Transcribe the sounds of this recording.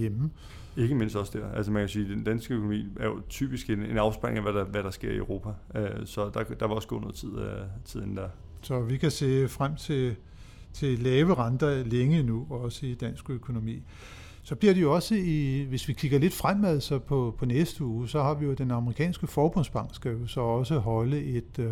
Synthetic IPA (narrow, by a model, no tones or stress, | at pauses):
jem̩ | e̝ɡ̥əme̝n̰sd̥ɒ̽sd̥æɐ̰ælsəmænkʰæsiːd̥end̥ænsɡ̥əøkʰo̝nomḭːæɐjo̝t͡sʰy̰ːb̥isɡ̥ene̝nɑ̈ʊsb̥ɑ̈lɪ̰ŋæʋæɾɑʋæɾ̥ɑ̈sɡ̥e̝ɐ̰iø̰ʊʁo̝ːpʰæøsɒ̽d̥ɑ̈d̥ɑ̈ʋɑ̈ɒ̽sɡ̥o̰ːnɔð̩ˠt͡sʰið̞̰ˠt͡sʰið̞̰ˠend̥æɐ̰ | sɒ̽ʋikʰæse̝̰ːfʁam̰t͡sʰe̝ | t͡sʰe̝lɛːʊəʁɑnd̥ɐleŋəinuɒ̽səid̥æn̰sɡ̥økʰo̝no̝mḭː | sɒ̽b̥liɐ̰ɾ̥ejo̝ɒ̽səiʋe̝sʋikʰiɡ̥ɐle̝d̥fʁam̰æð̰ˠsɒ̽pʰɒ̽pʰɒ̽nesd̥əuːsɒ̽hɑ̈ʋijo̝d̥enɑ̈məʁikʰɛ̰ːnsɡ̥əfɒːb̥ɔ̽n̰sb̥ɑ̈ŋ̰ɡ̥sɡ̥æjosɒ̽ɒ̽səɦɒ̽ləe̝d̥